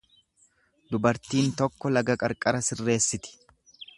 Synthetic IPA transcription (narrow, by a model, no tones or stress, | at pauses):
d̪ʊbɐɾt̪iːnt̪ɔkːɔlɐɡɐkʼɐɾkʼɐɾɐsɪrːe̞ːsːɪt̪ɪ̥